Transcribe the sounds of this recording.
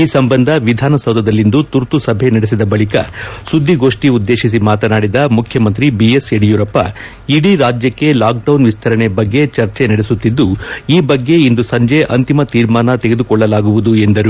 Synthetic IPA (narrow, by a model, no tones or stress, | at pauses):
iːsɐmbɐnd̪ʱɐʋid̪ʱaːnɐsɐwd̪ʱɐd̪ɐlːind̪ut̪uɾt̪usɐbʱe̞nɐɽes̬id̪ɐbɐɭikɐ̰sud̪ʱːiɡo̞ːʂʈiud̪ːe̞ːʃisimaːt̪ɐnaːɽid̪ɐmukʰjɐmɐnt̪ɾibieseɽijuɾɐpːɐ̰ | iɽiɾaːd͡ʒjɐkːe̞laːk̚ɖɐwnʋist̪ʰɐɾɐɳebɐɡːe̞t͡ʃɐɾt͡ʃenɐɽesut̪ːid̪ːuiːbɐɡːe̞ind̪usɐɲd͡ʒe̞ʔɐnt̪imɐt̪iːɾmaːnɐt̪e̞ɡe̞d̪ukɔɭːɐlaːɡuʋud̪ue̞nd̪ɐɾu